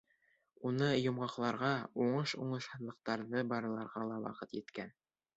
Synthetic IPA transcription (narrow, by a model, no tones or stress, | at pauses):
unɤjŏmʁɑqlˠɑɾʁɑuɴɤʃuɴɤ̆ʃhɤ̆ðlˠɤ̆q̚t̪ɑɾðɤbɑɾɤ̆lˠɑɾʁɑlˠɑwɑ̰qɤt̪jɘ̆t̪kæn